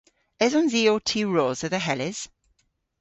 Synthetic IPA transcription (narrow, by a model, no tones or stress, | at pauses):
ɛzənziːoːtʰiːɹɔːzəðəɦɛlɪz̥